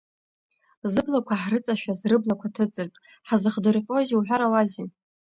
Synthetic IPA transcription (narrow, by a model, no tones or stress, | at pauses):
zɨblakʷʰaħrɨt͡sʼaʃᶣazrɨblakʷʰatʰɨt͡sʼɨrtʼ | ħazɨχdɨrqʲʼoziwħʷᶣaɾawazin